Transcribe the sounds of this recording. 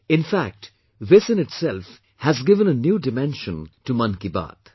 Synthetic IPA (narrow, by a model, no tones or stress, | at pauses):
ɪ̃nfæk̚ʈ | ʋɪsɨ̃nɪʈsɛlf | hæzɡɪvə̃nənjuːɖɪmɛ̃nʃə̃ntumʌ̃nkiba̰ːt̪